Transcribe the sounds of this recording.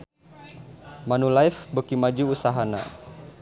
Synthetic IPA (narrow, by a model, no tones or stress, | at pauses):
manulajfbəkimad͡ʒuːsaɦana̰